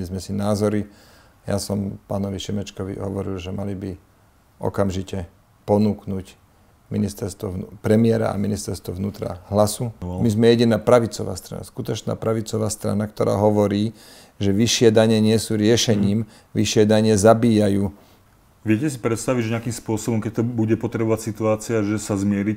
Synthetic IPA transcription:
lizmɛsinaːzɔɾi | ja̰sɔmpaːnɔʋiʃɛmɛt͡ʃkɔʋḭɦɔʋɔɾḭlʒɛmalibi | ʔɔ̰kamʒicɛ | pɔnuːknuːc | minist̪ɛɾst̪ʋɔpɾɛmɪɛɾa̰a̰minist̪ɛɾst̪ʋɔʋnuːt̪ɾa̰ɦlasumizmɛjɛɟinaːpɾaʋit͡sɔʋa̰ːst̪ɾa̰na̰skut̪ɔt͡ʃna̰ːpɾaʋit͡sɔʋaːst̪ɾa̰nakt̪ɔɾa̰ːɦɔʋɔɾiː | ʒɛʋiʃɪɛd̪aɲɛɲɪɛsuːɾɪɛʃɛɲiːm | ʋiʃɪɛd̪aɲɪɛzabiːjajuː | ʋɪɛcɛsipɾɛt̪st̪aʋiɟʒɛɲɪakiːmspʊɔsɔbɔmkɛc̚t̪ɔbuɟɛpɔt̪ɾɛbɔʋacsit̪uaːt͡siaʒɛsazmɪɛɾic

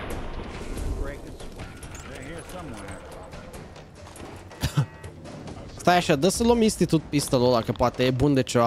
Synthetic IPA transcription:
ɡɹekɨsaehiɹsʌ̃mwɛ | st̪ajaʃad̪əsəlominst̪it̪ut̪̚pist̪əlolakəpoat̪eebund̪et͡ʃo

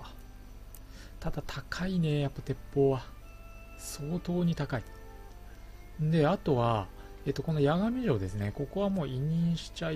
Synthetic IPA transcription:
t̪ad̪̥at̪ʰakʰaine̞japːat̪e̞pːo̞ːβa | so̞ːt̪o̞ːɲ̟it̪akai | d̪e̞at̪o̞βa | e̞t̪ːo̞ko̞no̞jaɡamʲiʑo̞ːd̪e̞sɨneko̞ko̞βamo̞ːʔiɲ̟ĩɰ̃ɕi̥t͡ɕai

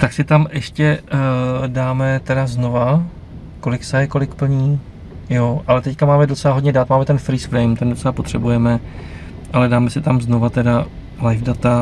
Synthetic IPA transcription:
t̪aksɪt̪amʔɛʃcɛ | daːmɛt̪ɛdazno̞va | ko̞lɪksɛjɛko̞lɪkpl̩ɲiː | joʔalɛt̪ɛckamaːmɛdot͡sɛlaɦo̞dɲɛdat̪maːmɛt̪ɛnfɾiːsfɾɛjmt̪ɛndot͡sɛlapo̞t̪r̝̥ɛbujɛmɛ | ʔalɛdaːmɛsɪt̪amzno̞vat̪ɛda | lajvdat̪a

